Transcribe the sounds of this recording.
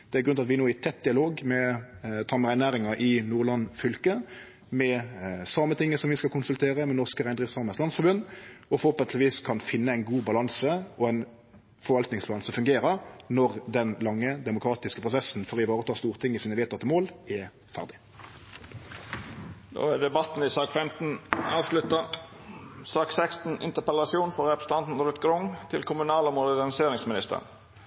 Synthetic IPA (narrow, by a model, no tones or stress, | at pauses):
d̪̥ɛæɾɡɾʉnɑt̪ʋɪnoːɪt̪ʰɛt̪̚d̪ɪɑloːɡmɛt̪ʰɑːməʁæɪnæːɾɪŋɑʔɪnuːʁlɑnfʏlkə | mɛsɑmːət̪ʰɪŋːəsɔmʋɪskɑlkʊnsʉlt̪ʰeːʁəmɛnɔʁskəʁæɪnd̪ʁɪsɑːməslɑnsfɔʁbʉnd̪ɔfhɔpt̪lʋiːskʰɑnfɪnːəæɪnɡuːbɑlɑnsəʔɔæɪn | fɔʁʋɑlt̪nɪŋsbɑlɑnsəfʉŋɡeːɾəɾnɔʁd̪ɛnlɑŋːəd̪ɛmʊkʰɾɑːt̪ɪskəpʰʁʊsɛsnfɔʁɪʋɑːʁət̪ʰɑːst̪uːʁt̪ʰɪŋːɪsiːnəʋeːt̪ʰɑt̪ːəmoːlɛ | fæ̰ʁd̪ɪ | d̪o̰ːæd̪ɛbɑt̪n̩ɪsɑːkfɛmt̪n̩ɑːʋʂlʉt̪ɑ | sɑːksɛkst̪n̩ɪ̰nt̪əpɛlɑsɪuːnfɔɾɛpɾəsə̥t̪ɑnt̪n̩ɾʉt̪ɡɾʊŋt̪ʰɪlkʰʊmʉnɑːləmʊd̪əɡɑnɪseːɾɪŋsmɪnɪst̪ə̰ɾ